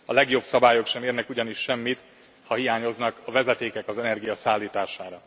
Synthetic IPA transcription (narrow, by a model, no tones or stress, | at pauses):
ɒlɛɡjo̞bsɒbaːjo̞kʃɛmeːrnɛkuɟɒniʃʃɛmːit̪ | hɒɦijaːɲo̞znɒkɒvɛzɛt̪eːkɛkɒzɛnɛrɡijɒsaːlːiːt̪aːʃaːɾɒ